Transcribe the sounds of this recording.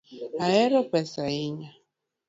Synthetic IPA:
aɛɾɔpɛsaiɲa

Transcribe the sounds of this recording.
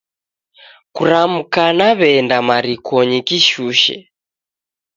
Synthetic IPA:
kuɾam̩kanaβɛndamaɾikɔɲikiʃuʃɛ̰

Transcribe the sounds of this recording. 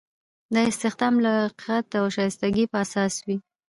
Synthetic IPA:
d̪əɪst̪ɪxd̪ɑmlaqiqat̪awʃɑjst̪aɡipəasɑswi

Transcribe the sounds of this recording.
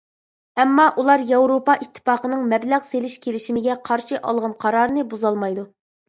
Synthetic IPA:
ɛmːɑʔulˠɑɾjɑwɾopɑʔit̪ʰːɨ̥pɑːqənɨŋmɛblæʁselɪʃkʲʰelɪʃimɪɡʲɛqʰɑɾʃiʔɑ̰lˠʁɑnqʰɑɾɑɾɨnɨbuzɑlˠmɑjd̪u

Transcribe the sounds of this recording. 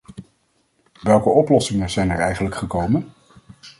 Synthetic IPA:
ʋɛlˠkəɔplɔsɪŋənz̥ɛjnɛɹɛjχənləkχəkowmən

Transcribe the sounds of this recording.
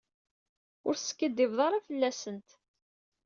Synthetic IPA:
ʊɾsə̥kːəd̪ːivðˤɑɾˤafəlːæsənt̪

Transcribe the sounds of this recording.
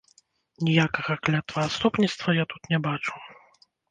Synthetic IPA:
nʲijakɐɣɐklʲat̪vɐːst̪upnʲit̪st̪vɐjat̪ut̪nʲɛbat͡ʂu̥

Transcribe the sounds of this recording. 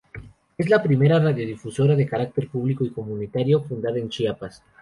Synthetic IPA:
e̞zlapɾime̞ɾaraðjo̞ðifuso̞ɾaðe̞kaɾak̚t̪e̞ɾpuβliko̞iko̞mũnit̪aɾjo̞fund̪aðaent͡ʃiapas

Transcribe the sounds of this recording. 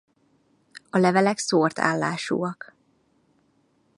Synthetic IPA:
ɒlɛvɛlɛksoːrt̪ʰa̰ːlːa̰ːʃṵːɒk

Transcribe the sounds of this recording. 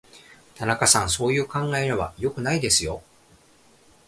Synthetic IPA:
t̪anakasãñso̞ːjɯ̟ːkãŋɡaeɲaβa̰jo̞kɯ̟naid̪e̞sɨjo̞

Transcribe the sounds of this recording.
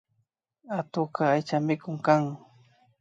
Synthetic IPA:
at̪ʊkaajt͡ʃamɪkʊŋkaŋ

